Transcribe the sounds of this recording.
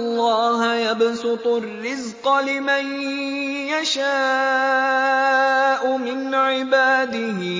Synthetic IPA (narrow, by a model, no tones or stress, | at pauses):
lˤːɑːhjabsʊt̪ˤʊrːɪzqɑlɪman | jaʃaː | ʔʊmɪnʕɪbaːd̪ɪhɪ